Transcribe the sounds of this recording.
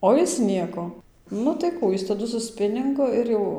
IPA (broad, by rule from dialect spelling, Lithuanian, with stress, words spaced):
ˌoː jɪs ˈnʲiɛkoː ˈnʊ tɐɪ ˈkuː ˈjɪs tɐˈdʊ sʊ ˈsʲpʲɪnʲɪŋɡʊ ˈɪr jɛʊ